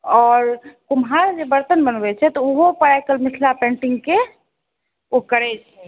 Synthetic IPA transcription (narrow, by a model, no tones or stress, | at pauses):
ɔːɾkumɦaɾd͡ʒebəɾt̪ənbənbɛt͡ʃʰɛt̪ɔoɦopəɽɛkelmisʰlapẽɳʈiŋɡke | okəɾɛd͡ʒʰ | ɛ